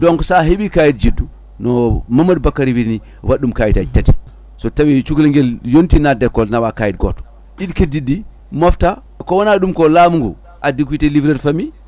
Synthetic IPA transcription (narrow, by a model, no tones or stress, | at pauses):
dɔŋksaɦeɓikajit̚d͡ʒidːu | nɔmamːad̚bakːaɾiwiɾni | waɗumkajitatati̥ | sɔtawit͡ʃukliŋɡeljontinadɛkːɔlnawakajit̚ɡo̰ːtɔ̥ | ɗidkedidːi | mofta | kɔwanaɗumkɔlamuŋɡṵ | ʔadik̬witelivɾɛdfami